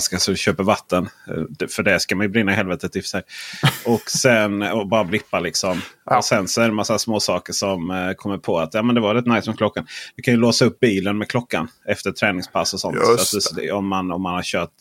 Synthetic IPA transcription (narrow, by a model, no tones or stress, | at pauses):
skasɔɕøːpəɾvat̪ʰːənd̪fœɖɛʂkamanjɵbɾɪnːahɛlvɛːt̪ət̪ɪfsɛjɔksɛnɔbɑːɾablɪpːalɪksɔmɔsɛnsɔɛɾɛmasːasmoːsɑːkəʂɔmkʰɔmːəɾpʰɔat̪jɑːmɛnd̪ɛvavɛlɛt̪najsmɛkʰlɔkːand̪ɪkʰanjɵloːsaɵp̚ːbiːlənmɛkʰlɔkːanɛft̪ət̪ʰɾɛːnɪŋspʰasːɔsɔ̰nt̪sad̪ɔmːanɔmːanhaɾɕøːʈ